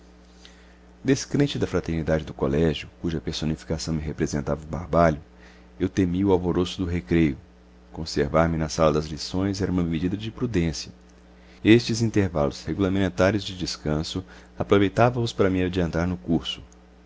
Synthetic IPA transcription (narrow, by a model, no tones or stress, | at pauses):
d̪eskɾẽnt͡ʃɪd̪ɐfɾat̪eɾnid̪ad͡ʒɪd̪ʊkolɛʒjʊkuʒɐpeɾsonifi̥kasɐ̃w̃mɪɦepɾezẽnt̪avɐba̰ɾbaʎʊ | ewt̪emiʊawvoɾosʊd̪ʊɦekɾejʊ | kõseɾvaɾmɪnɐsalɐd̪ɐzlisõj̃zɛɾɐ̃ũmɐmed͡ʒid̪ɐd͡ʒɪpɾud̪ẽsiɐ | est͡ʃɪzĩnt̪eɾva̰lʊsheɡulɐmmẽnt̪aɾijʊzd͡ʒɪd͡ʒɪskɐ̃sʊ | apɾovejt̪avɐ̃ʊspaɾɐmiad͡ʒiɐ̃nt̪aɾnʊkuɾsʊ̥